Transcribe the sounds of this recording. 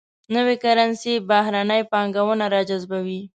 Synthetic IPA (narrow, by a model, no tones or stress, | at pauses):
nəwekaɾansebahɾanəjpɑŋɡawənaɾɑd͡ʒazbawi